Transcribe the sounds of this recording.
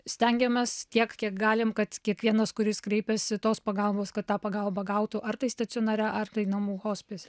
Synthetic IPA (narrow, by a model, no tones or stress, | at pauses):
sʲt̪ʲɛŋʲɡʲɛmʲɛst̪ʲiɛkkʲiɛkɡɑːlʲɪmkɐt̪kʲiɛkʋʲiɛnɐskʊɾʲɪskɾɛɪpʲɛsʲɪt̪oːspɐɡɐlˠboːskɐt̪t̪ːɑːpɐɡɐlˠbɐɡɐʊt̪uʔɐrt̪ɐɪst̪ɐt̪sʲɪoːnɐːɾʲæʔɐrt̪ɐɪnɐmuːhoːsʲpʲesʲ